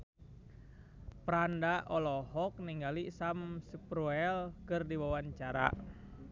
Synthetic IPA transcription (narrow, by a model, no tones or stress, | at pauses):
pɾandaʔɔlɔhɔk̚niŋɡalisamsəpɾuɛlkɨrdiwawaɲt͡ʃaɾa̰